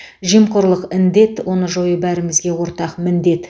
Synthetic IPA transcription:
ʒijmqʊɾlˠəqɪnd̪e̞t̪wo̞nəʒo̞jəbæɾɪmɪzɡʲe̞wo̞ɾt̪ɑqmɪnd̪e̞t̪

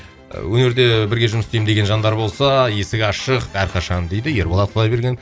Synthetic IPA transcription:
wɵne̞ɾd̪e̞bɪɾɡʲe̞ʒʊməst̪ejmd̪e̞ɡʲe̞nʒɑnd̪ɑɾbo̞lˠsɑje̞sɪkʲɑʃəqæɾqʰɑʃɑnd̪e̞jd̪ɪje̞ɾbolˠɑt̪̚qʰlˠɑjbe̞ɾɡʲen

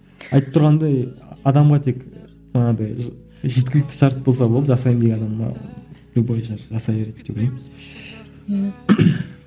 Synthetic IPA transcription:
ɑjt̪əp̚t̪ʰʊɾʁɑnd̪ɑjɑd̪ɑmʁɑt̪ʰek | ʒɑnɑd̪ɑj | ʒe̞t̪kʲɪlɪk̚t̪ɪ̥ʃɑɾt̪̚bo̞lˠs̬ɑbolˠd̪əʒɑsɑjmd̪eenɑd̪ɑmːɑ̰bebojʃɑɾʒɑsɑjeɾe̞t̪̚d̪ekʲee

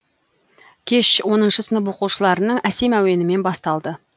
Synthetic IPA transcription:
kʲʰe̞ʃwo̞nənʃəsənəpoquʃəlˠɑɾənəɴæse̞mæwe̞nɪme̞nbɑst̪ɑlˠd̪ə

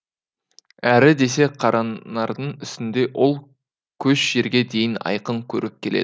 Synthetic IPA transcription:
æɾɪd̪e̞se̞qʰɑɾʔɑnɑɾd̪əɴɪst̪ɪnd̪e̞ʔo̞lˠ | kʲʰɵʃʒ̥e̞ɾɡʲe̞d̪e̞jɪnɑ̰jqəɴkʲʰɵ̰ɾɪp̚kʲʰe̞lḛd̪

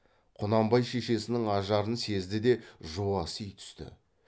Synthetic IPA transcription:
qʰʊnɑmbɑjʃe̞ʃe̞sɪnɪŋɑʒɑɾənse̞zd̪ɪd̪e̞ʒuɑsəijt̪ʰʏ̥st̪ɪ̰

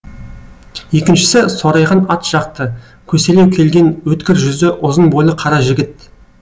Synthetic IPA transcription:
je̞kʲɪnʃɪ̥sɪsoɾɑjʁɑnɑt̪ʒ̥ɑq̚t̪ə | kʲʰɵse̞lewkʲʰe̞lɡʲe̞nwɵt̪kʲɪɾʒʏzd̪ɪʔʊzənbo̞jlˠəqʰɑɾɑʒɪɡʲɪt̪̚

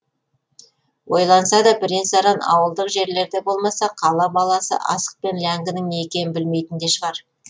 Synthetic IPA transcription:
wo̞jlˠɑnəsɑd̪ɑbɪɾensɑɾɑnɑ̰wəlˠd̪əqʒe̞ɾle̞ɾd̪ebo̞lˠmɑsɑqʰɑlˠɑbɑlˠɑsə̰ʔɑ̰sə̥q̚pe̞nlæŋɡʲɪnɪŋnekʲe̞nbɪlme̞jt̪ɪnd̪e̞ʃəʁɑɾ

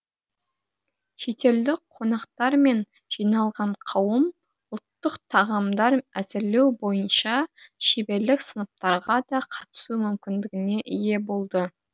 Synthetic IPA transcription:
ʃe̞t̪e̞ld̪ɪk̚qʰo̞nɑqt̪ɑɾme̞n | ʒ̥ijnɑlˠʁɑɴqʰɑwəm | ʊlˠt̪ːəqt̪ʰɑʁɑmd̪ɑɾæzɪɾle̞wbo̞jənʃɑʃebe̞ɾlɪksənəp̚t̪ɑɾʁɑd̪ɑqʰɑt̪ə̥sumʏmkʲɪnd̪ɪɡʲɪne̞ʔɪje̞bo̞lˠd̪ə

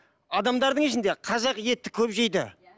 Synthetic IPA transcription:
ɑd̪ɑmd̪ɑɾd̪əŋɪʃɪnd̪e̞qʰɑzɑqje̞t̪ːɪkʲʰɵpʒe̞jd̪ɪ̰

